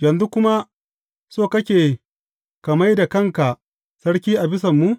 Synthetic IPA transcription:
jɐ˨nzu˦kʷʊ˦ma˦ | soː˦˨kɐ˦kʲeː˨ | kɐ˨ma˦jda˨kɐ˦˨ŋka˨ | sɐ˦ɽkʲiː˦ʔa˨bɪ˦sɐ˨mːu˦

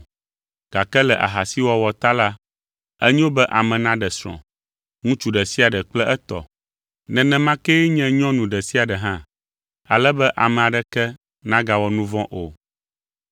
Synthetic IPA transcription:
ɡ̥a˨kɛ˦lɛ˨ʔa̰˨ɦa˨si˦wɔ˦wɔ˨t̪a˦la˦ | ɛ˦ɲĩ˦wo˦bɛ˦ʔa˨mɛ̃˨nã˦ɖɛ˨sɾ̃ɔ̰̃˨ | ŋũ˦t͡ʃu˦ɖɛ˨si˦a˨ɖɛ˨k͡plɛ˦ʔɛ˦t̪ɔ̰˨ | nɛ̃˨nɛ̃˨mã˦kɛ˦ɲɛ̃˦ɲɔ̃˦nũ˨ɖɛ˨si˦a˨ɖɛ˨ɦã˦ | a˨lɛ˦bɛ˦ʔa˨mɛ̃˨a˨ɖɛ˨kɛ˦ | nã˦ɡa˨wɔ˨nũ˦vɔ̃˦ʔo˨

